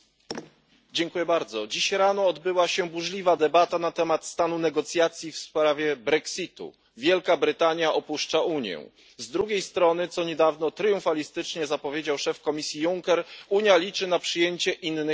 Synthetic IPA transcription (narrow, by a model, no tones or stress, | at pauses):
d͡ʑɛŋkujɛbaɾd̪zɔd͡ʑiɕɾanɔːd̪bɘwaɕɛbuʐlʲivad̪ɛbat̪anat̪ɛmat̪st̪anunɛɡɔt̪sʲjat̪sʲjifspɾavʲjɛbɾɛksʲit̪ṵ | vʲjɛlkabɾɘt̪aɲjaʔɔpuʂt͡ʂauɲjɛ̰̃ | zd̪ɾuɡʲejst̪ɾɔnɘt̪sɔɲɛd̪avnɔt̪ɾjũfalʲist̪ɘt͡ʂɲɛzapɔvʲjed͡ʑawʂɛfkɔmʲisʲjijuŋkɛɾuɲjalʲit͡ʂɘnapʂɘjeɲt͡ɕɛʔinːɘ